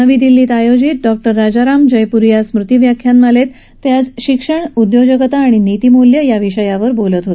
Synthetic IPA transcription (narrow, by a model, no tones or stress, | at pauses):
əʋiːd̪ilːiːt̪ajod͡ʑit̪̚ɖɔk̚ʈəɾːad͡ʑaɾamd͡ʑəjpuɾjasmɾut̪iʋjakʰjamːəlet̪ː | jat͡sɕikʂəɳud̪jod͡ʑəkət̪aːɽ̃init̪imoljəjaʋiɕəjaʋəɾbolət̪ɦot̪